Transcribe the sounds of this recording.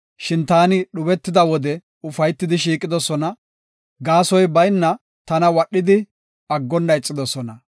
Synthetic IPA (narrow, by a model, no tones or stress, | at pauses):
ʃɪnt̪aːnɪɗʊbɛt̪ːɪd̪ɐwɔd̪ɛ | ʊfɐjt̪ːɪd̪ɪʃ̬iːkʼɪd̪ɔsɔnɐ | ɡaːsɔjbɐjnːɐ | t̪ɐnɐwɐɗːɪd̪ɪ | ɐɡːɔnːɐjt͡sʼːɪd̪ɔsɔnɐ